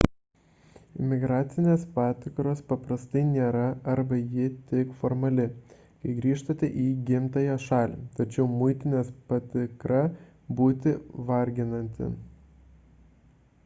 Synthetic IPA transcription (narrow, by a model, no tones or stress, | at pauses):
ɪmʲɪɡɾɑːt̪sʲɪnʲeːspɑːt̪ʲɪkɾoːspɐpɾɐst̪ɐɪnʲeːɾɐɐɾbɐjɪt̪ʲɪkfɔɾmɐlʲɪ | kɐɪɡɾʲiːʃt̪ot̪ʲɛʔiːɡʲɪmt̪ɐjoːʃɑːlʲḭt̪ɐt͡ʃʲɛʊmʊɪt̪ʲɪnʲeːspɐt̪ʲɪkɾɐ | buːt̪ʲɪʋɐɾʲɡʲɪnɐnʲt̪ʲɪ̰